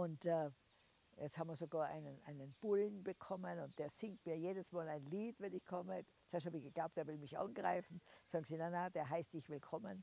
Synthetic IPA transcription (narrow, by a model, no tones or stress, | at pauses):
ʔʊntɛ | jɛt͡ssthaːbm̩viɐzoɡaːɐʔa̰ɪnənʔaɪnənb̥ʊlnbəkʰɔmənʊnt̚d̥eːɐz̥ɪŋtmiːɐjeːdəsmaːlaɪnliːtvɛnɪçkʰɔmə | sɛɐshaːbɪçɡ̥əɡ̥laʊp̚d̥eːɐvɪlmɪçʔa̰nɡʁa̰ɪfn̩saːɡŋ̩ziːnanad̥eːɐɦaɪst̚d̥ɪçvɪlkʰɔmən